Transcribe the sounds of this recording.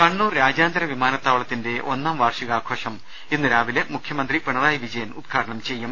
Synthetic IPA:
kɐɳːuːrɾaːd͡ʑaːnd̪ɐɾɐʋimaːnɐt̪ːaːʋɐɭɐt̪ːinde̞ʔo̞nːaːmʋaːrʂiɣaːkʰoːʂɐm | enːɨɾaːʋilemukʰjɐmɐnd̪ripeɳɐðaːjʋid͡ʑɐjɐnud̪̚ɡʰʱaːɽɐɳɐmt͡ɕe̞jːum

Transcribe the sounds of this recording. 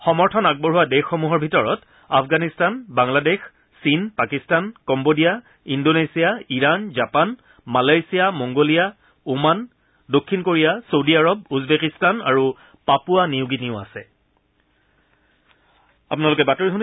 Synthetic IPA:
xɔmɔɹtʰɔnaɡ̚bɔɹɦuwadexːɔmuɦɔɹbʱitɔɹɔt | apfʰɡanistanbaŋladex | sinpakistankɔmbodija | indonesijaiɹanzapan | malajsijamɔŋɡolija | uman | dokʰːinkoɹijasodiaɹɔbuzbekistana̰ɹu | papuanijʊɡiniʊa̰sɛ | a̰pʊnalʊkɛbatoɹiɦun

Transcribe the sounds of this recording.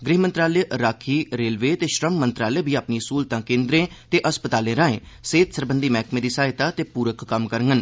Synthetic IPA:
ɡɾiːɦmə̃nt̪ɾaːleɾaːkʰiːɾeːlʋeːt̪eːʃɾəmːənt̪ɾaːlebʱiːaːpniːsuːlt̪ãːkẽːnd̪ɾẽːt̪eːʔəspət̪aːlẽːɾaːẽː | seːt̪səɾbənd̪iːmɛːkʰmẽːd̪iːsaːɪt̪aːt̪eːpuːɾəkːəmkəɾŋɡən

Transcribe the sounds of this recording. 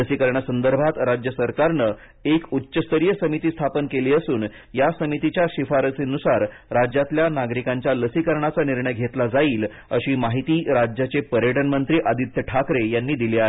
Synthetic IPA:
ləsikəɾɳjasənd̪əɾbʱat̪ɾad͡ʑjəsəɾkaɾnə | ekutːɕəst̪əɾijəsəmit̪iːst̪ʰapənkeliːəsuːn | jasəmit̪it͡ɕjaɕifaɾət͡sinusaɾɾad͡ʑjat̪ljanaɡɾikãɲt͡ɕjaləsikəɾɳat͡saniɾɳəjɡʱet̪lad͡zaiːl | əɕiːmaɦit̪iːɾad͡ʑjat͡sepəɾjəʈənmənt̪ɾiːʔad̪it̪jəʈʰakɾejanːiːd̪iliːaɦe

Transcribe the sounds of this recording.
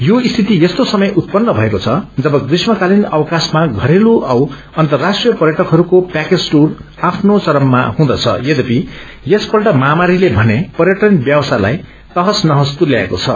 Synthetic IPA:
joist̪ʰit̪ijest̪osʌmʌjʔut̪̚pʌnːʌbʱʌekot͡sʰʌd͡zʌbʌkrismʌkalinʌwʌkasmaɡʱʌɾeluʔʌw | ʌnt̪ʌrːasʈrijʌpʌrjʌʈʌkɦʌɾukopaked͡zʈur | apʰnot͡sʌɾʌmːa̰hũd̪ʌt͡sʰʌ̰jed̪ʌpi | jespʌlʈʌmamaɾilebʱʌnepʌɾjʌʈʌnbjawʌsala̰j | t̪ʌɦʌsnʌɦʌst̪uljaeko̰t͡sʰʌ̰

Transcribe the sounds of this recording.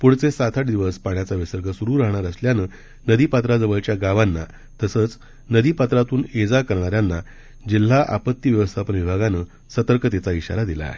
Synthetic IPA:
puɽ̤t͡sesat̪ʰaʈd̪iʋəspaɳjat͡saʋesəɾɡəsuɾuːɾaɦɳ̃aɾəsljanəː | nəd̪iːpat̪ɾad͡zəʋəɭt͡ɕjaɡaʋanːa | t̪əsəːt͡s | nəd̪iːpat̪ɾat̪uːned͡zakəɾɳ̃aɾjanːa | d͡ʑil̤ːaʔa̰pət̪ːiʋjəʋəst̪ʰapəɳʋibʱaɡanəː | sət̪əɾkət̪et͡saiɕa̰ɾad̪ila̰ɦe

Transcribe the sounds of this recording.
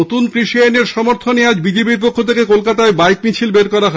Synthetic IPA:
ot̪unkɾiʃianeɾʃɔmoɾt̪ʰonead͡ʑbid͡ʑepiɾp̬okʰːot̪ʰekekolkat̪aebajk̚mit͡ɕʰilbeɾkɔɾaɦ

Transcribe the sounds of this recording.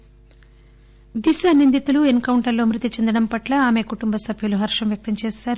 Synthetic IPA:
d̪iʃaːnind̪it̪uluenkɐwuɳʈɐɾlo̞ːmɾit̪ːit͡ʃend̪ɐɽɐmpɐʈlɐaːme̞ːkuʈumbɐsɐbʱjuluɦɐɾʂɐmʋjɐk̚t̪ɐmt͡ʃeːsaːɾu

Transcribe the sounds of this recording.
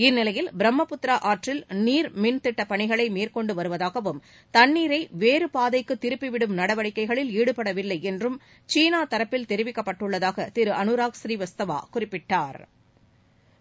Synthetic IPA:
ɪnːɪlɐjɪlbɪɾɐmːɐpʊt̪ːɾaːʔaːɾʈrɪlniːɾmɪnt̪ɪʈːɐpɐɳɪɣɐɭɐɪmiːrkɔɳɖɯʋɐɾɯʋɐðaːɣɐʋɯm | t̪ɐnːiːɾɐɪʋeːɾɯpaːðɐɪkːɯt̪ːɪɾɯpːɪʋɪɽɯmnɐɽɐʋɐɭɪkːɐɪɣɐɭɪliːɽɯpɐɽɐʋɪlːɐɪɛndrɯm | t͡ʃiːnaːt̪ɐɾɐpːɪlt̪ɛɾɪʋɪkːɐpːɐʈːɯɭːɐðaːɣɐt̪ɪɾɯʔɐnɯɾaːksɾiːʋɐst̪ɐʋa̰ːkʊrɪpːɪʈːaːɾ

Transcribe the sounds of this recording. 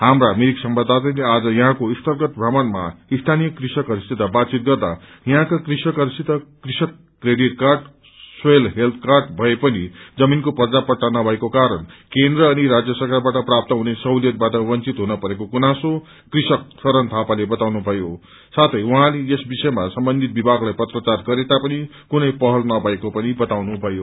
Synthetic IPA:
ɦamramiɾiksʌmbad̪ʱat̪ʌlead͡zʌjʌ̃ɦãkoist̪ʌrɡʌt̪bʱramʌnma̰ist̪ʰanijʌkrisʌkʌɾist̪id̪ʱabat̪̚t͡sit̪̚ɡʌrd̪ajʌɦãkakrisʌkʌɾisit̪ːʌkrisʌkːreɽiʈ̚karʈ | swelɦelt̪ʰkarʈbʱʌepʌnid͡zʌminkopʌrd͡zapʌʈːanʌbʱʌekokaɾʌnkend̪rʌːniɾad͡zjʌsʌrkarbaʈʌprap̚t̪ʌɦunesʌwljʌt̪̚baʈʌbʌnt͡sit̪ɦunʌpʌɾekokunaso | krisʌk̚sʌɾʌnt̪ʰapalebʌt̪awnubʱʌjo | sat̪ʰʌjwuɦãleesbisʌemasʌmbʌnd̪ʱit̪̚bibʱaɡlajpʌt̪rʌt͡sarɡʌɾet̪apʌni | kunʌjpʌɦʌlnʌbʱʌekopʌnibʌt̪awnubʱʌjo

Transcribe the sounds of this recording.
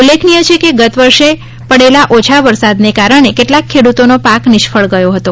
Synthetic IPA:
ulːekʰnijət͡ʃʰekeɡət̪ʋəɾʃe | pəɽelaʔot͡ʃʰaʋəɾsad̪nekaɾəɳ̃ekeʈlakʰːeɽut̪onopaknɪʃfʰəɭɡəjoɦət̪o

